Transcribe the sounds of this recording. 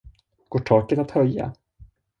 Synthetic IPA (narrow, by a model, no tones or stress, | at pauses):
ɡ̥oːʈʰɔːkət̪at̪hœjːa̰